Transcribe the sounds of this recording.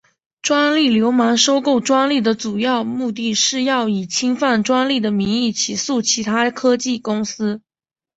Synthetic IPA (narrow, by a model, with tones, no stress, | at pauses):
ʈ͡ʂwa˥nli˥˩ljo˧˥ʊma˧˥ŋʂo˥ʊko˥˩ʊʈ͡ʂwa˥nli˥˩d̪ə˩ʈ͡ʂu˨˩jɑ˥˧ʊmu˥˧t̪̬i˥˧ʂɻ̩˥˧jɑ˥˩ʊi˨˩t͡ɕʰi˥ŋfa˥˩nʈ͡ʂwa˥nli˥˩d̪ə˩mi˧˥ŋi˥˩t͡ɕʰi˨˥˩su˥˩t͡ɕʰi˧˥t̪ʰa˥kʰɤ˥t͡ɕi˥˩kʊ˥ŋsɹ̩˥